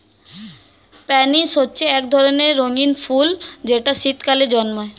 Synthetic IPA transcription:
pɛniʃɦotːɕʰeɛk̚d̪ʱɔɾoneɾːoŋinfuld͡ʑeʈaʃit̪kaled͡ʑɔnmoe

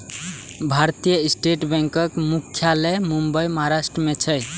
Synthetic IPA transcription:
bʱaɾt̪ijəisʈeʈbẽŋkʌkmukʰːjalemumbəjmɔɦaɾasʈɾəmet͡ʃʰəj

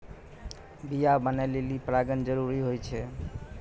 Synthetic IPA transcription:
bijabənajlelipɾaɡənd͡ʒəɾuɾiɦojt͡ʃʰɛ

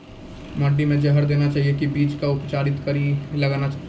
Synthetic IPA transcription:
məɖːimẽd͡ʒəɦəɾd̪eːnat͡ʃaːɦijekibiːt͡ʃkaʊpt͡ʃaːɾɪt̪kəɾilɐɡaːna

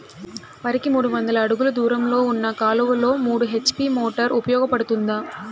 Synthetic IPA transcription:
ʋɐɾikimuːɽuʋɐnd̪ɐlɐːɽuɡulɐd̪uːɾɐmlo̞ːunːɐkaːluʋɐlo̞ːmuːɽuɦe̞t͡ʃpimoːʈɐɾupɐjɔːɡɐpɐɽut̪und̪aː

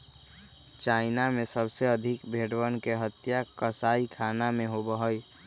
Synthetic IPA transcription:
t͡ʃaɪnamẽsəbseəd̪ʱikbʱeɽwənkeɦət̪ːjakəsaikʰanamẽɦobəɦəj

